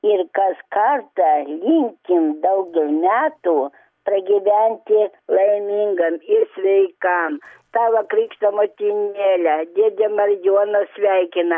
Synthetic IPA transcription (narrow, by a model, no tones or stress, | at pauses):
ɪɾkɐskɐrt̪ɐlʲɪŋʲkʲɪmd̪ɐʊɡʲɛlmʲæːt̪u | pɾɐɡʲiʋʲænʲt̪ʲɪlˠɐɪmʲiŋɡɐmɪɾsʲʋʲɛɪkɐmt̪ɑːʋɐkɾʲiːkʃt̪omot̪ʲinʲeːlʲæd̪ʲiɛd̪ʲɛmɐrjuɔnɐsʲʋʲɛɪkʲɪnɐ